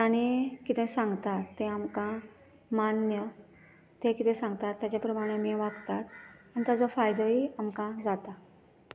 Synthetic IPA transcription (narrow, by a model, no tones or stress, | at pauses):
aɽ̃ikit̪ẽsãŋɡt̪at̪ːẽamkã | manjə | t̪ẽkit̪ẽsãŋɡt̪at̪ːjat͡ɕjapɾəmaɽ̃emiɛʋaɡt̪at̪ant̪ad͡zofajd̪oiamkãd͡zat̪a